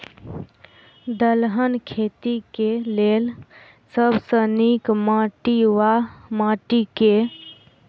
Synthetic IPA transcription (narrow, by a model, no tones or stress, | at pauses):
d̪əlɦənkʰet̪ikelel | səbʱsənikmaʈiwamaʈike